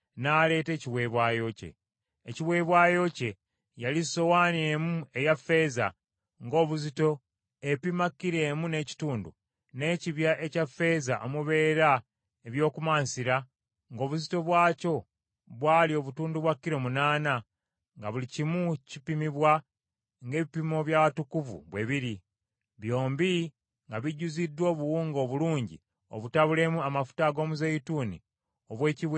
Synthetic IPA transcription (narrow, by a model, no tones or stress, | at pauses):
naːle̞ːte̞ːciβwe̞βwaːjo̞ce̞̰ː | ciwe̞ːβwaːjo̞ce̞ | jaliso̞waːneːmue̞jafe̞ːza̰ | ŋɡo̞ːβuzito̞ | epimakːiɾe̞ːmune̞ːci̥tuːndṵ | ne̞ciβjaʔe̞cafːe̞ːzaʔomuβe̞ːɾa | eβjo̞ːkumaːnsiɾa | ŋɡo̞ːβuzito̞βwaːco̞ | βwaːlio̞βutuːnduβwakːiɾo̞munaːna | ŋɡaβulicimucipimiβwa | ŋɡe̞ːβipimo̞βjawatukuvṵβwe̞βiɾi | βjo̞ːmbi | ŋɡaβiɟuzidːwo̞ːβuwuːŋɡo̞βuluːɲɟḭ | o̰βutaβule̞muamafu̥taɡo̞ːmuzejituːnḭ | oβwe̞ːciβ